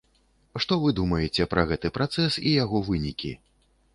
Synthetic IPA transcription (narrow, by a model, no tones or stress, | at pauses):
ʂt̪ɔvɨd̪umɐjɛt͡sʲɛpɾʔɐɣɛt̪ɨpɾat̪sɛsijaɣɔvɨnʲikʲi